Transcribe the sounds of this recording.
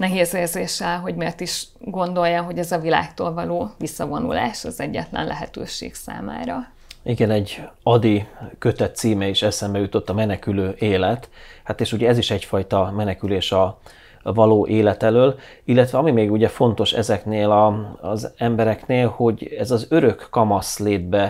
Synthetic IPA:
nɛɦeːzeːrzeːʃɛlɦo̞ɟmeːrt̪iʃ | ɡo̞nd̪o̞jːaɦo̞ɟɛzɒvila̰ːk̚t̪o̰ːlvɒloːvisːɒvo̞nṵla̰ːʃɒzɛɟːɛ̰t̪lɛ̰nlʔɛ̰ɦɛ̰t̪ø̰ːʃḛːksa̰ːma̰ːɾɒ | iɡɛnɛɟːɒd̪ikø̞t̪ɛt̪ːsiːmɛiʃɛsɛmbɛjut̪o̞t̪ːɒmɛnɛkyløːʔeːlɛt̪hat̪eːʃuɟɛɛziʃɛcfɒjt̪ɒmɛnɛkyleːʃɒ | vɒloːʔeːlɛt̪ɛløːl | ilːɛt̪ʋɛɒmimeːɡuɟɛfo̞nt̪o̞ʃɛ̰zɛkneːlɒzɛmbɛɾɛkneːlho̞ɟɛzɒzøɾø̞kːɒmɒsleːd̪̚bɛ

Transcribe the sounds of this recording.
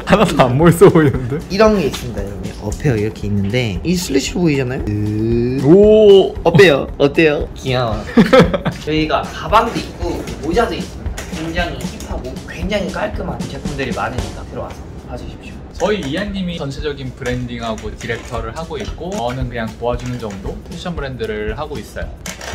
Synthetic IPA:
anadoamboɭs͈ɯboinːɯnde̞iɾʌnɡe̞is͈ɯmɲidaiɾʌŋɡe̞̰ʔʌpʰe̞joiɾʌkʰe̞inːɯnde̞isʰuɭːiɕʰiɾboid͡ʑanajoɯ | oʌpʰe̞joʌt͈e̞jokiaŋa | t͡ɕʌiɡakabaŋdoik̚k͈omod͡ʑadois͈ɯɲidakwe̞ŋd͡ʑaŋiçʰipʰaɡokwe̞ŋd͡ʑaŋik͈aɭk͈ɯmɦant͡ɕe̞pʰumdɯɾimanɯɲik͈atɯɾʌwa̰sʰʌ | pad͡ʑuɕʰip̚ɕ͈o | t͡ɕʌiiaɲːimit͡ɕʌnsʰed͡ʑʌɡinpɯɾe̞ndiŋɦaɡotiɾe̞k̚tʰʌɾɯɭɦaɡoit̚k͈onɯnkɯɲaŋpoad͡ʑunɯnd͡ʑʌŋdopʰeɕʰʌnbʰɯɾe̞ndɯɾɯɭɦaɡois͈ʌjo

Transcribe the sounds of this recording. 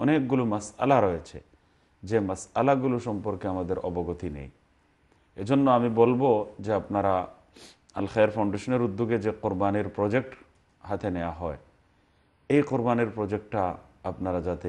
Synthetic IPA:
ɔnek̚ɡulumasa̰laɾojet͡ɕʰḛ | d͡ʑemasalaɡuluʃɔmpoɾkeamad̪eɾʔɔ̰boɡot̪inḛj | ed͡ʑonːoamibolbod͡ʑeapnaɾa | alxeɾpʰaw̃ɳɖeʃoneɾud̪ːuɡed͡ʑeqoɾbaniɾpɾɔd͡ʑek̚ʈ | ɦat̪ʰenewaɦɔe | ejqoɾbaniɾpɾɔd͡ʑek̚ʈʈa | apnaɾad͡ʑat̪e

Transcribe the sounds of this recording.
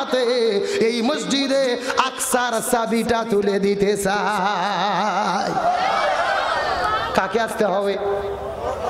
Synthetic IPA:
t̪eeimʊd͡ʒd͡ʒid̪eaksaːɾəsaːbiːʈaːt̪uleːd̪iːt̪ʰeːsa | kaːkeast̪eɦoːʋeː

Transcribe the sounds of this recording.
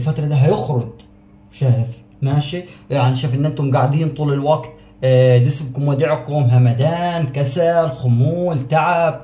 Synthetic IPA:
lfat̪ɾˤɑd̪iːɦajɪxɾʊd | ʃaːjɪf | maʃijaʕnʃaːfʔɪnʔɪnt̪ʊmɡaʕd̪iːnt̪ˤuːlɪlwaɡt̪ | d̪ɪsbkʊmwad̪iːʕkʊmɦamad̪aːnkasalxʊmːuːlt̪aʕab̚

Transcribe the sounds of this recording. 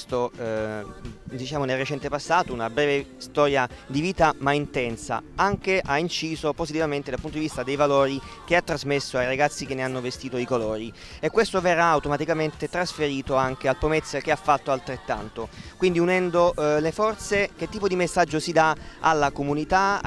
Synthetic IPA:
st̪o | d̪it͡ʃaːmonelret͡ʃɛnt̪epasːaːt̪ounabɾɛːvest̪ɔːɾja | d̪iviːt̪amaint̪ɛnsa̰aŋkeʔaint͡ʃiːzopozit̪ivament̪ed̪apunt̪od̪ivist̪ad̪ejvaloːɾi | keat̪ːɾazmesːoajɾaɡat̪sːikenːeanːovest̪iːt̪oikolɔːɾi | ekːwest̪overːaːwt̪omat̪ikament̪et̪ɾasfeɾiːt̪oaŋk̟ealpomet̪sːek̟eafːat̪ːoalt̪ɾet̪ːa̰nt̪okwind̪iunɛnd̪olefɔrt̪sek̟et̪ːiːpod̪imesːad͡ʒːosid̪aalːakomunit̪a

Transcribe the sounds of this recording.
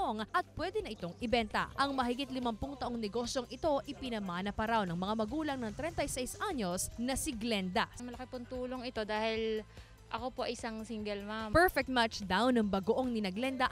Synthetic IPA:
oŋʔɐt̪̚pwɛd̪ɛnɐʔɪt̪o̞ŋʔɪbɛnt̪ɐ̰ʔɐŋmɐɦɪɡit̪̚lɪmampʊŋt̪ɐʔoŋnɛɡo̞sjo̞ŋɪt̪o̞ʔɪpɪnɐmaːnɐpɐɾawnɐŋmɐŋamɐɡuːlɐŋnɐŋt̪ɾɛnt̪ɐjsɛjsʔaɲosnɐsɪɡlɛnd̪ɐmɐlɐkɪpʊnt̪uːloŋɪt̪o̞d̪aːhɪl | ʔɐ̰kopoʔɐ̰ʔɪsaŋsiŋɡɛlmampɛɹfɛk̚t̪̚mat͡ʃd̪awnɐŋbɐɡoʔoŋnɪnɐɡlɛnd̪ɐ

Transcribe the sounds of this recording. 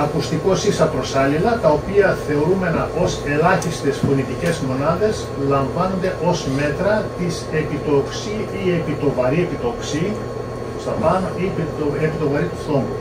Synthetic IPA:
ɐkust̪iko̞sisɐpɾo̞sɐlilɐt̪ɐo̞piɐθe̞o̞ɾume̞nɐʔo̞se̞lɐçist̪e̞spo̞nit̪ice̞zmo̞nɐðe̞s | lɐɱvɐno̞nd̪e̞ʔo̞zme̞t̪ɾɐt̪ise̞pit̪o̞ksiiepit̪o̞vɐɾie̞pit̪o̞ksi | st̪ɐpɐnoip̪oepit̪o̞vɐɾit̪ufθo̞mu

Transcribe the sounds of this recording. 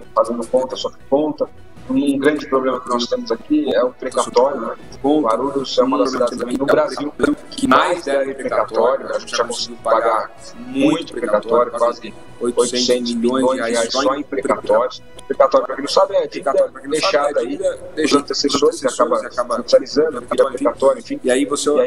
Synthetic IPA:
fazẽnd̪ʊkõnt̪ɐsɔkɪ̥kõnt̪ɐ | ũɡɾɐ̃d͡ʒɪpɾoblẽmɐkɪnɔst̪ẽmʊzakiɛʊpɾekat̪ɔɾjʊ | õvaɾuʎʊsɛũmɐɐsid̪ad͡ʒ̪zɐ̃mẽj̃nʊbɾaziwkɪmajzɛ̃pɾekat̪ɔɾjʊaɐʒẽt͡ʃɪʒakõsiɡɪpaɡaɾ | mũj̃j̃t̪ʊpɾpɾekat̪ɔɾjʊkwazɪ | ojojt̪ẽt̪ẽiʎiõj̃jõj̃zaiasɔẽpɾekat̪ɔɾjʊ | pɾekat̪ɔɾʊpɾɐkẽnɐ̃w̃sabd͡ʒĩẽk̪eʃad̪aieʃt̪esẽd̪oakabɐabsalizɐ̃nd̪ʊkɾɛpɾekat̪ɔɾuʊẽfĩiaivoseiai

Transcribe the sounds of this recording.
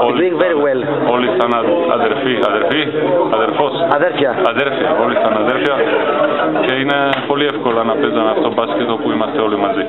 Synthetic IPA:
oluiŋveɾiɣwɛl | olisanaa̰d̪eɾfiad̪eɾfiad̪eɾfosaðeɾfjaad̪eɾfiaolisanad̪eɾfja | keinepoliefkolanapezanaft̪obaskit̪opuimat̪ːɛolimazi

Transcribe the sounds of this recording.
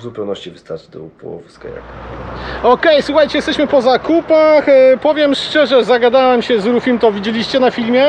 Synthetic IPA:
zupɛwnɔɕt͡ɕivɨst̪aɾt͡ʃt̪ɔupɔɔ̰vska̰ja̰k | ɔkɛjswuxajt͡ɕɛjɛst̪ɛɕmɘpɔzakupaxpɔvʲjɛmʂt͡ʂɛʐɛzaɡad̪awɛmɕɛzɾufʲimt̪ɔvʲid͡ʑelʲiɕt͡ɕɛnafʲilmʲjɛ

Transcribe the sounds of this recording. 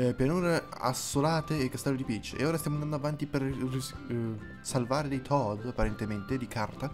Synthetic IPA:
pjanuːɾea̰sːolaːt̪eːkːast̪ɛlːod̪ipit͡ʃːʔḛoːɾast̪jamond̪and̪avant̪iperi | salvaːɾed̪ejt̪ʰɔd̪apːaɾent̪ement̪ed̪ikʰart̪a

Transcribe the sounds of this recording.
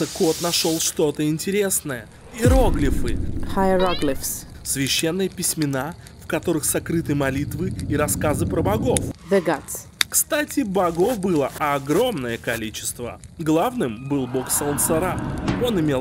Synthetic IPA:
əko̞t̪nɐʂo̞lˠʂt̪o̞t̪əɪnʲtʲɪɾʲe̞snəjə | ɪɾoɡlʲɪfɨxajɾoɡlʲɪfssvʲɪɕːenːɨjəpʲɪsʲmʲɪna | fkɐt̪o̞ɾɨxsɐkɾɨt̪ɨjmɐlʲit̪vɨiɾɐskazɨpɾəbɐɡo̞fd̪ɨɡat̪s | kst̪atʲɪbɐɡo̞fbɨlˠəɐɡɾo̞mnəjəkɐlʲit͡ɕɪ̥st̪və̰ɡlˠavnɨmbɨlˠbo̞ksəlˠnsɐɾao̞nɪmʲe

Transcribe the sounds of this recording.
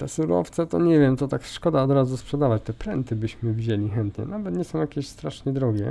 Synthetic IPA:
t̪ɛsuɾɔ̰ft̪sɛt̪ɔɲɛvʲjɛmt̪ɔt̪akʂkɔd̪aɔd̪ɾazuspʂɛd̪avat͡ɕt̪ɛpɾɛnt̪ɘbɘɕmɘvʲiʑelʲixɛnt̪ɲɛ̰navɛt̪ɲɛsɔ̃w̃jakʲeɕst̪ɾaʂɲɛd̪ɾɔɡʲjɛ̰

